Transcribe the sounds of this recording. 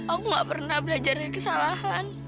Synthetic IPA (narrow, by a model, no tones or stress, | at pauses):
ʔakuŋɡaʔpərnahbəlad͡ʒarkəsalahan